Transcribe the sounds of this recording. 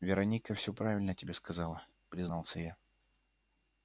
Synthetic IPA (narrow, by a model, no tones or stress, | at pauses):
vʲɪɾɐnʲikəfsʲɵpɾavʲɪlʲnəətʲɪbʲeskɐzɑlˠə | pɾʲɪznɑlˠsʲəja